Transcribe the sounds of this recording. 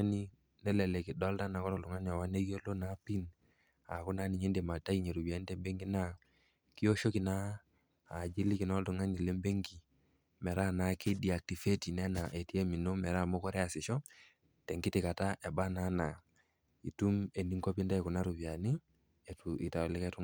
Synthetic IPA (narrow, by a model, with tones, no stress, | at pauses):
ni˦ | nɛ˦lɛ˨lɛ˨kɪ˨dɔ˦lta˦na˨kɔ˦ɾɔ˨ltu˨ŋa˦ni˨a˨wa˦ne˦kjo˦lo˦na˦pi˦n | a˨ku˦na˦ni˨ɲe˦nde˨ma˨ta˦i˦ɲe˨ɾu˨bi˨a˨˦n˦tɛ˨mbe˦ŋɡi˦na˦ | ki˦o˦ʃo˦ki˨naː˦˨ | d͡ʒi˦li˦kɪ˨nɔ˦ltu˨ŋa˦ni˨lɛ˦mbe˦ŋɡi˨ | mɛ˨ɾa˦˨na˨ke˦di˨a˨k̚ti˨fe˦ti˨nɛ˦na˨ʔe˨ti˦ɛ˦mi˨no˦mɛ˨ɾa˦˨mɔ˦kɔ˦ɾɛ˦a˨sɪ˨ʃɔ˦ | tɛ˨ŋɡɪ˦tɪ˨ka˨ta˦ʔɛ˨ba˦na˨˦na˨ | i˨tu˦me˨ni˦ŋkɔ˦pi˦nda˦˨ku˨na˦ɾu˨bi˨a˨ni˦ | ɛ˨tu˨i˨ta˨lɪ˦kɛ˦tu˦